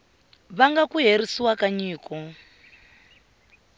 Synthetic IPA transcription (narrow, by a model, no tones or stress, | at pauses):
βaŋɡakuɦeɾisiwakaɲiːkɔ